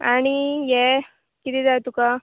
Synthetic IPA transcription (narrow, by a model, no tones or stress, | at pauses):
a̰ɽ̃ijɛ | kit̪iːd͡zajt̪uka